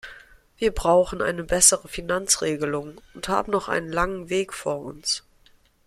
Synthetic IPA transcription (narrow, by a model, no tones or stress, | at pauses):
v̥iːɐbʁaʊxn̩ʔa̰ɪnəbɛsəʁəfinant͡sʁ̥eːɡəlʊŋʊntha̰ːbm̩nɔχʔa̰ɪnənlaŋənveːkfo̰ːɐʔʊ̰ns